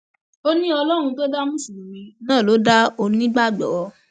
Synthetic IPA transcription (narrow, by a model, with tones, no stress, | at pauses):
o˦nĩ˦ɔ˧lɔ˦ɾ̃ũ˧to˦da˦mũ˦sĩ˨ĩ˨mĩ˨˧nãː˦˨lo˨˦da˦o˧nĩ˦ɡ͡ba˦˨ɡ͡bɔ̰˨wɔ˧˦